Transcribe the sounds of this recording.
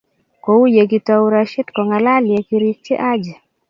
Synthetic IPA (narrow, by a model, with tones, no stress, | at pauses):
kɔ˨u˦je˨kitauɾaʃɛ˦tkɔ˨ŋalali˨e˨kiɾit͡ʃɛ̰˦ʔa˦d͡ʒɛ˨